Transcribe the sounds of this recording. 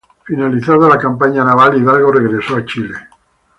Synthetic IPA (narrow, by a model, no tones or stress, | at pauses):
finaliθaðalakampaɲanaβaliðalɣoreɣɾesoat͡ʃile